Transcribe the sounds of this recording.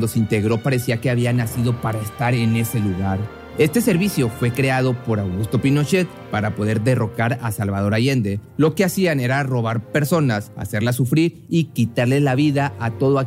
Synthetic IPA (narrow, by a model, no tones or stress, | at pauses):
d̪o̞seint̪e̞ɣɾo̞paɾe̞siake̞aβianasiðo̞paɾaest̪aɾe̞ne̞se̞luɣaɾ | e̞st̪e̞se̞ɾβisjo̞fwe̞kɾe̞að̞o̞po̞ɾawɣust̪o̞pino̞t͡ʃe̞t̪ | paɾapo̞ðeɾðe̞ro̞kaɾasalβaðo̞ɾaʝe̞nd̪e̞lo̞keasiane̞ɾaro̞β̞aɾpe̞ɾso̞nasa̰se̞ɾlas̬ufɾiɾ | ikit̪aɾle̞laβiðaʔat̪o̞ðoa